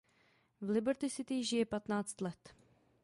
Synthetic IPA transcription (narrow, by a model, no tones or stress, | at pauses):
vlɪbɛɾt̪ɪsɪt̪ɪʒɪjɛpat̪naːt͡st̪lɛt̪